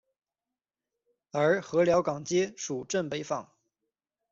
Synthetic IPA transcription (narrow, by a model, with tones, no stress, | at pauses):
ə˞˧˥xɤ˧˥ljɑ˧˥ʊkɑ˨˩ŋt͡ɕjɛ˥ʂu˨˩ʈ͡ʂə˥˩npe˧˥ɪfɑ˨˩˦ŋ